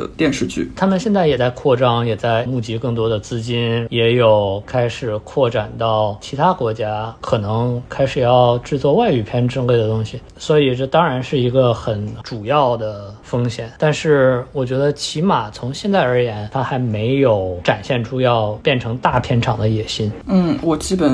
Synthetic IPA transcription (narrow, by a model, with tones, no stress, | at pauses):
ə̰˧t̪jɛ˥˧nʂɻ̩˥˧t͡ɕʰy̰˥˩t̪ʰa˥mə˨nɕjɛ˥˧nt͡sa˥˩ɪjɛ˨˩t͡sa˥˧ɪkʰwɔ˥˩ʈ͡ʂɑ˥ŋjɛ˨˩t͡sa˥˩ɪmu˥˩t͡ɕi˧˥kɤ˥˩ŋt̪wɔ˥d̪ə˨t͡sɹ̩˥t͡ɕi˥njɛ˧˥jo˨˩ʊkʰa˥ɪʂɻ̩˨˩kʰwɔ˥˩ʈ͡ʂa˨˩nt̪ɑ˥˩ʊt͡ɕʰi˧˥t̪ʰa˥kwɔ˧˥t͡ɕja˥kʰɤ˨˩nɤ˧˥ŋkʰa˥ɪʂɻ̩˨˩jɑ˥˧ʊʈ͡ʂɻ̩˥˧t͡swɔ˥˧wa˥˧ɪy˨˩pʰjɛ˥˧nʈ͡ʂɻɤ˥ŋle˥˩ɪd̪ə˩t̪ʊ˥ŋɕi˨˩ | swɔ˧˥i˨˩ʈ͡ʂɤ˥˩t̪ɑ˥ŋɻa˧˥nʂɻ̩˥˩i˧˥ɡə˧xə˨˩nʈ͡ʂu˨˩jɑ˥˩ʊd̪ə˩fɤ˥ŋɕjɛ˨˩˦nt̪a˥˧nʂɻ̩˥˩wɔ˨˩t͡ɕɥɛ˧˥d̪ə˧t͡ɕʰi˧˥ma˨˩t͡sʰʊ˧˥ŋɕjɛ˥˧nt͡sa˥˩ɪə˞˧˥jɛ˧˥nt̪ʰa˥xa˧˥ɪme˧˥ɪjo˨˧˩ʊʈ͡ʂa˨˩nɕjɛ˥˩nʈ͡ʂʰu˥jɑ˥˧ʊpjɛ˥˩nʈ͡ʂʰɤ˧˥ŋt̪a˥˩pʰjɛ˥˩nʈ͡ʂʰɑ˨˩ŋd̪ə˦jɛ˨˩ɕi˥nn̩˥˩wɔ˨˩t͡ɕi˥pə˨˩